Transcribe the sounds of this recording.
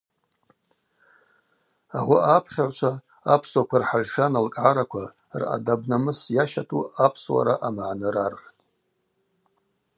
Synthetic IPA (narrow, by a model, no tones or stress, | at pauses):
awaʔapʰχʲaʕʷt͡ʃʷʰa | apʰswakʷʰarħaʒʂanalkʼʕaɾakʷʰa | ra̰dabnamɨsjaʃatʰuapʰswa̰ɾaʔamʕnɨɾarrtʼ